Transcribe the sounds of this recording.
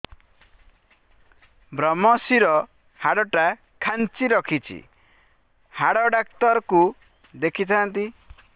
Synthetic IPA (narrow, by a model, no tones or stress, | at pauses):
bɾɔmɔsiɾɔ | haɽɔʈa | kʰant͡ʃiɾɔkʰit͡ʃʰḭ | haɽɔɖak̚t̪ɔɾɔku | d̪ekʰit̪ʰant̪i